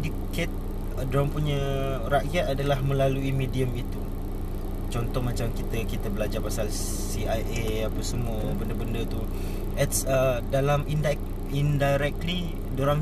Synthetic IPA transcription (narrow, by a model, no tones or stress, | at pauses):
dikɛt̪̚ | dɾaŋpuɲa | ɾaʔjat̪adalahmə̃laluimidiəmit̪u | t͡ʃɔnt̪ɔhmãt͡ʃamkit̪əkit̪abəlad͡ʒapasal | siajʔe | apasəmuə | bəndəbəndət̪u | ɛt̪sədalaminda | indajɾɛk̚li | doɾaŋ